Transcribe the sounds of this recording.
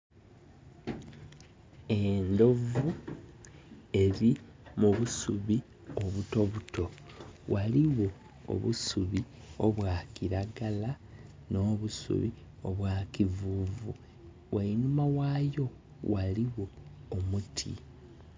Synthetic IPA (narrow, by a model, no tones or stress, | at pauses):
e̞ndo̞vu | e̞ɾi | muβusuβi | o̞βuto̞βuto̞wʔaliwo | o̰βṵsuβi | o̞̰βwaːkiɾaɡala | no̞ːβusṵβi | o̞βwaːkivuvṵ | wʔajinumawaːjo̞ | waliwo̞ːmutʰḭ